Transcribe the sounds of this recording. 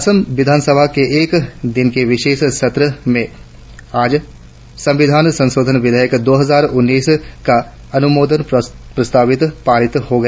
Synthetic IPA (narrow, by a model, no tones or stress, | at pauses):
əsəmʋɪd̪ʱaːnsəbʱakeʔeːkd̪ɪnkeʋɪʃeːʃsɐt̪ɾəmẽ | aːd͡ʒ | sɐ̃mʋɪd̪ʱaːnsɐ̃nsoːd̪ʱənʋɪd̪ʱəjəkd̪oːɦɐzaːɾʊnːiːska | ɐnʊmoːd̪ənpɾɐst̪aːʋɪt̪paːɾɪt̪ɦoɡɐ